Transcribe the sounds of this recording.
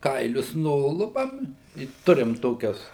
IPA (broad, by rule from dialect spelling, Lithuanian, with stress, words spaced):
ˈkɐɪlʲʊs ˈnʊlˠʊpɐm ɪ ˈtʊrʲɪm ˈtoːkʲɛs